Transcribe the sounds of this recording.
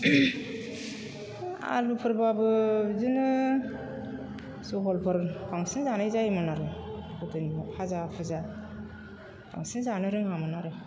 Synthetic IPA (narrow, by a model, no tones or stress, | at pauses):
a̰lupʰɯɾbabɯzɯnɯ | sɔɦɔlpʰɯɾbaŋsɯnzanɯjzajmɯnaɾɯbɯtɯnmapʰazapʰɯza | bʰa̰ŋsinzanɯɾɯŋhamɯnaɾɯ